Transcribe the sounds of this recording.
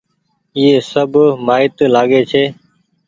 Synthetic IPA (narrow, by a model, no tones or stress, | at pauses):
iːeːsəbʱmaːɪt̪laːɠeːt͡ʃʰeː